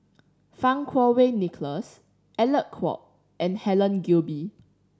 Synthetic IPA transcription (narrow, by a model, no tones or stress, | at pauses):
fãŋkʰwɔwenikləs | ʔɛləʔ̚kʰwɔ̰ʔ̚ | ʔɛ̃nhɛlə̃nɡulbi